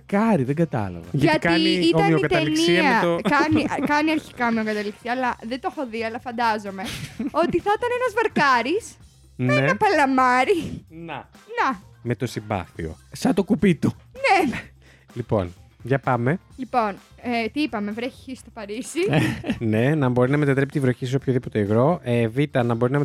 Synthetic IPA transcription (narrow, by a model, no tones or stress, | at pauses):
kɐɾiðeɡɐt̪ɐ̰lɐ̰vɐ̰ʝɐɐtkɐiniioɐmionikɐt̪ɐelinksiiɐmɐeokɐniʔɐkɐniɐɾçi̥kɐomiokɐt̪ɐliksiɐːlɐðet̪o̞xo̞ðiɐlɐfɐnd̪ɐzo̞me̞o̞t̪iθɐt̪ɐnenɐzvɐɾkɐɾis | neenɐpɐlɐmɐɾinɐnɐme̞t̪o̞simbɐ̰θio̞̰sɐt̪okupit̪une | lipo̞̰nʝɐpɐme̞lipo̞n | et̪iipɐme̞vɾeçiçist̪o̞pɐɾisine̞nɐmbo̞ɾinɐmet̪ɐt̪ɾepit̪ivɾoçisopçoðipo̞t̪e̞ːɣɾo̞evit̪ɐnɐbo̞ɾinɐm